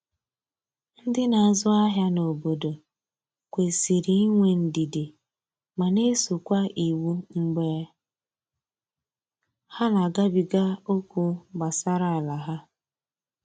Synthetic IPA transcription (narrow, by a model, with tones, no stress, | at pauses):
n̩˦dɪ˦na˨a˨zʊ˦a˦ɦja˦no˨bo˨do˨ | kʷe˨si˨ɾi˨i˦ŋʷe˨n̩˨di˨di˨ | ma˨ne˦su˨kʷa˦ʔi˨wu˦ŋ͡m̩˦ɡ͡beː˦ | ha˦na˨ɡa˦bi˨ɡa˦o˦kʷu˦ba˨sa˦ɾa˦˨la˨ɦa˦